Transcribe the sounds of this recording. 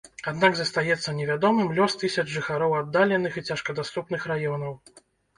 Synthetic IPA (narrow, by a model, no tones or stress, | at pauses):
ad̪naɡzɐst̪ajɛt̪sːɐnʲɛvʲad̪ɔmɨmlʲɔst̪ɨsʲɐd͡ʒʐɨxaɾɔwad̪ːalʲɛnɨxit͡sʲaʂkɐd̪ast̪upnɨxrajɔnɐw